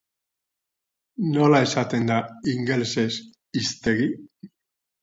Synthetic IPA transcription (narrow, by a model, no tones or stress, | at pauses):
no̞lae̞sat̪e̞nd̪aiŋɡelese̞s | ist̪e̞ɣi